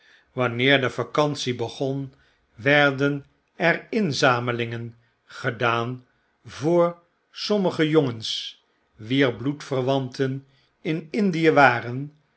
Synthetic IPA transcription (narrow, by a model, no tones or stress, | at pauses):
ʋɑnɪːɹdəfakɑnsibəχɔn | ʋɛɹdən | ɛrɪnzaːməlɪŋən | χədaːn | vʊːɹ | sɔməχəjoŋəns | ʋiːɹblutfərʋɑntʰən | ɪnɪndijəʋaːrən